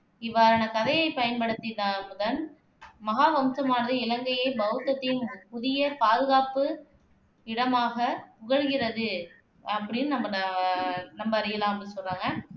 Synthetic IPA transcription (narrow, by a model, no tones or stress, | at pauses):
ɪʋːaːɾɐnɐkɐðɐjɐɪpɐjɐnpɐɽɯt̪ːit̪aːmʊðɐn | mɐɣaːʋɐmsɐmaːnɐðɯɪlɐŋɡɐjɐɪbɐɣɯt̪ːɐt̪ːɪjɯmpʊðɪjɐpaːðɯɣaːpɯ | ɪɽɐmaːɣɐpʊɣɐɻɣɪrɐðɯ | ɐpːɐɽɪnːɯnɐmbɐn | nɐmbɐːɾɪjɐlãːmɐpːɽsɔlraːŋɡɐ